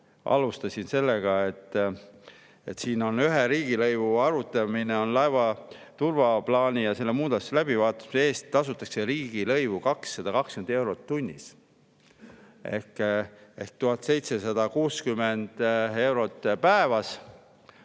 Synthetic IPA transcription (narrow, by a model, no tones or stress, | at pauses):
ʔɑ̰lust̪ɑsinse̞lːeɡ̥ɑet̪ːˑ | et̪ːsiːno̞nyɦeɾiːɡ̥ilɤjvuɑɾut̪ːˑɑmineo̞nlɑevɑt̪urvɑplɑːnʲijɑse̞lːemuːd̪̥ɑslæb̥ivɑːt̪ːˑu̥smse̞ːst̪ːɑsut̪ːˑɑkse̞ɾiːɡ̥ilɤ̞jvukɑksːɑd̪̥ɑkɑkskymene̞wɾot̪ːunʲːḭs | e̞̰hkehkt̪uɦɑt̪ːˑse̞jt̪se̞sɑd̪̥ɑkuːskymend̪̥e̞wɾo̞t̪ːˑpæevɑs